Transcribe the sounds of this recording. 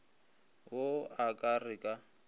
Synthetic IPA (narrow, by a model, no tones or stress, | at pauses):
oakʼarɪkʼa